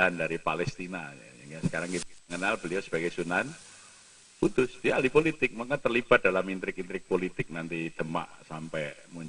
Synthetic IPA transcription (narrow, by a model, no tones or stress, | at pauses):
andaɾipalɛst̪inaŋasə̥kaɾaŋkit̪ŋənalb̥əliosəb̥aɡɛjsunan | kut̪ʊsdialipolit̪ɪk̚makat̪ərlib̥at̪̚d̥alamint̪ɾɪkint̪ɾɪk̚polit̪ɪk̚nant̪id̪̥əma̰ʔsampɛmuɲ